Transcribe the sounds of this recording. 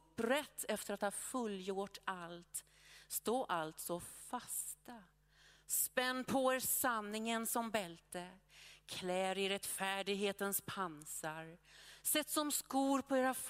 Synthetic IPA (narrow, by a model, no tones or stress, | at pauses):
pːɾɛt̪ʰːɛft̪əɾat̪hɑːfɵlːjʊʈːalt̪ | st̪oːʔalt̪sɔfast̪a | spɛnːpʰɔeɾsanːɪŋənsɔmbɛlt̪əkʰlɛːɾɪɾɛt̪ːfæːɖɪɡɦeːt̪ənspʰansaɾsɛt̪ːsɔmskuːɾpʰɔeːɾaf